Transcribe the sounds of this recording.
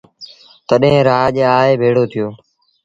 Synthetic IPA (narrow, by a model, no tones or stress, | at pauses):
t̪əɗɦẽːɾaːʄeaːɦeːbʱeːɽoːt̪ʰɪjoː